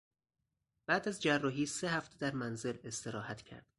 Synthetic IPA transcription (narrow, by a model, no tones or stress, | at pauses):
b̥æːd̪æzd͡ʒærːɒːɦiːsehæft̪ʰed̪æɾmænze̞le̞st̪e̞ɾɒːhæt̪ʰcʰæ̰ɾd̪̥